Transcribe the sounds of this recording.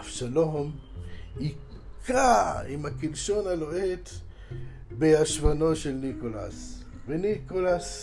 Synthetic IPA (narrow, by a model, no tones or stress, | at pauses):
afʃalom | ikaimhakilʃo̞naloʔet̪ | beaʃvano̞ʃelnikola̰s | venikolas